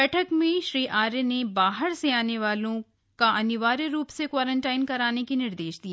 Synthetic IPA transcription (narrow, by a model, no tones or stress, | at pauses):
ɛːʈʰəkmẽʃɾiːʔaːɾenebaːɦəɾseaːneʋaːlõ | kaɐnɪʋaːɾəɾuːpsekwaːɾə̃ɳʈaːɪnkɐɾaːnekinɪɾd̪eːʃd̪iː